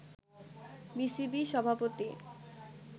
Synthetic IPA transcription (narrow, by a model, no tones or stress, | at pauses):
bisibiʃɔbʱapot̪i